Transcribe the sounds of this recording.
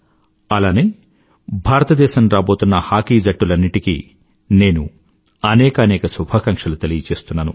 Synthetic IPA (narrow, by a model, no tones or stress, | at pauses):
ɐlaːneː | bʱaːɾɐt̪ɐd̪ɛːʃɐmɾaːbo̞ːt̪unːɐhaːkiːd͡ʒɐʈːulɐnːiʈikḭ | ne̞ːnṵ | ɐnɛːkɐɐnɛːkɐsubʱaːkɐŋʂɐlut̪elijɐt͡ʃe̞ːst̪unːaːnu